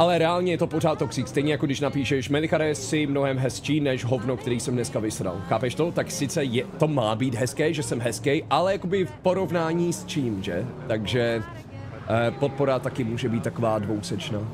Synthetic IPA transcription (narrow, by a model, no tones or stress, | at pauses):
ʔalɛɾɛaːlɲɛjɛt̪o̞poraːt̪ːoksikst̪ɛjɲɛjako̞ɡdɪʃnapiːʃɛʃmɛlɪxaɾɛsɪmnoɦɛmɦɛst͡ʃiːnɛʃɦo̞vnokt̪ɛɾiːsɛmnɛskavɪsɾa̰lxaːpɛʃt̪ot̪aksɪt͡sɛjɛt̪o̞maːbiːt̪ɦɛskɛːʒɛsɛmɦɛskɛjʔalɛjako̞bɪfpo̞ɾo̞vnaːɲiːst͡ʃiːmʒɛt̪aɡʒɛ | po̞t̪̚po̞ɾat̪akɪmuːʒɛbiːt̪tːako̞vaːdvowsɛt͡ʃnaː